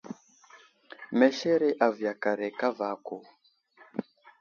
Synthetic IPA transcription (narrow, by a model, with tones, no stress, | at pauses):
mɛ˨ʃɛ˦ɾɛ˦ʔa˨vja˨ka˨ɾɛ˨ka˦va˨˦kɔ˨